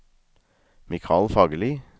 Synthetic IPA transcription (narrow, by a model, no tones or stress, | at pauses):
mɪkʰɑːlfɑːɡəliː